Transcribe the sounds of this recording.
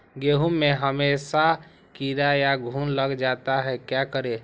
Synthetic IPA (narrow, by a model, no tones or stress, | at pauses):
ɡeɦumːeɦəmesa | kiɾajaɡʱuːnləɡd͡ʒat̪aɦɛkjakəɾe